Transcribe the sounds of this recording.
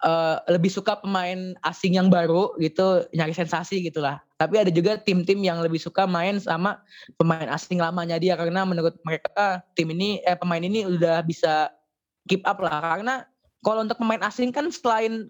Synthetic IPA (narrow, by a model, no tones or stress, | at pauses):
ʔəːləbɪhsukapəmaɪnasɪŋjaŋbaɾuɡit̪uɲaɾɪsɛnsasiɡit̪ulaht̪apiadad͡ʒuɡat̪ɪmt̪ɪmjaŋləbɪhsukamaɪnsamapəmaɪna̰sɪŋlamaɲadiakaɾənamənuɾʊt̪̚məɾekat̪ɪminiəpəmaɪniniudahbisa | kip̚ʔaplahkarəna | kalaunt̪ʊk̚pəmaɪnasɪŋkansəlaɪn